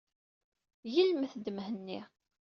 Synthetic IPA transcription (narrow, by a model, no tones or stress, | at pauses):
jəlmθd̪əmhənːi